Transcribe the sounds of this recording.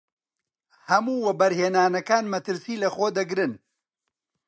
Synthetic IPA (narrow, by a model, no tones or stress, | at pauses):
hɐmuːwɛbɐɾheːnaːnɐkaːnmɐt̪ɨɾsiːlɐxod̪ɐɡɾɨn